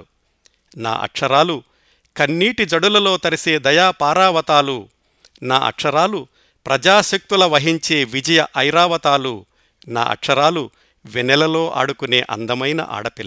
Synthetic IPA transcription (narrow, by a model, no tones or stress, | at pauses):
na̰ːʔɐ̰kʂɐɾaːlu | kɐnːiːʈid͡ʒɐɽulɐlo̞ːt̪ɐɾise̞ːd̪ɐjaːpaːɾaːʋɐt̪aːlu | na̰ːʔɐ̰kʂɐɾaːlu | pɾɐd͡ʒaːʃɐk̚t̪ulɐʋɐɦiɲt͡ʃe̞ːʋid͡ʒɐjɐʔɐjɾaːʋɐt̪aːlu | na̰ːʔɐ̰kʂɐɾaːlu | ʋinɛlɐlo̞ːʔa̰ːɽukune̞ːʔɐ̰nd̪ɐmɐjnɐ̰ʔa̰ːɽɐpil